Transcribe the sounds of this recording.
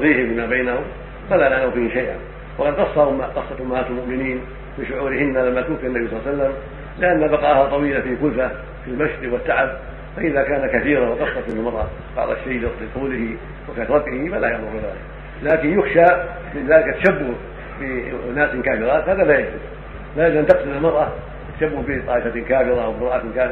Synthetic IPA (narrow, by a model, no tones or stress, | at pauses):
ðiːhɪfimabajnahʊm | falanaʕnawfiːhɪʃajʔa̰n | wɑqɑd̪qɑsˤːɑhʊmːaqɑsˤːɑt̪ʊmːaat̪almʊʔmɪniːn | mɪʃʊʕuːɾɪhɪnːalamːat̪uːfianːabisˤɑlːsalːam | lɪʔanːabɑqɑʔhat̪ˤɑwiːlafikʊlfa | filmaʃɾiwɪt̪ːaʕab̚ | faʔɪðakaːnakaθiːɾanwɑqɑsˤːɑt̪mɪnalmɑɾˤʔɑ̰ | b̥ɑ̰ʕðˤɑ̰ʃːejlɪlɪt̪ˤuːlɪhi | wɪkaːat̪ˤɾˤɑɡːhifalːajaʕmʊɾˤɪða̰ːlɪk | laːkɪnjʊxʃa | mɪnðaːlɪkat̪ːḁʃabːʊh | bɪnaːskaːfɪɾat̪haːðalaːjad͡ʒdʊd | laːʔɪlʔant̪ɪqsɪlɪlmɑɾˤʔa | t̪ːḁʃabːʊhbɪt̪ˤɑːʔɪfakaːfɪɾawbɪmɾˤɑːʔat̪kaːf